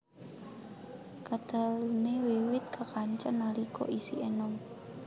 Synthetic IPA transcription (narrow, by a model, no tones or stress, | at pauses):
kad̪̥a̤lunewiwɪt̪̚kəkaɲt͡ʃənːalikʰɔ̰ʔisiʔenɔŋ